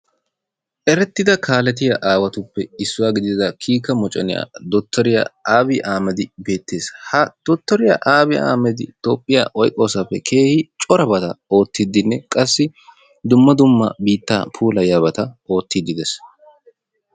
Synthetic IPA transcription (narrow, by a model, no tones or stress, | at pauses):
ʔɛɾɛt̪ːɪd̪ɐkʰaːlɛt̪ɪjɐʔaːwɐt̪ʊpːɛɪsːʊwaːɡɪd̪ɪɪd̪ɐkʰiːkɐmɔt͡ʃʼɛnɪja̰ːd̪ɔt̪ːɔɾɪja̰aːbɪʔaːmɛd̪ɪbe̞ːt̪ːe̞ːshɐd̪̥ɔt̪ːɔɾɪja̰ʔaːbɪa̰ːmɛd̪ɪ̰t̪o̞ːpʼːɪja̰ʔɔjkʼːo̞ːsɐpːɛkʰe̞ːhɪt͡ʃʼɔɾɐbɐt̪ɐ̰o̞ːt̪ːɪd̪ːɪnːɛkʼɐsːɪ | d̪ʊmːɐd̪ʊmːɐ̰biːt̪ːa̰ːpʰuːlɐjabɐt̪ɐo̞ːt̪ːid̪ɪd̪ɛs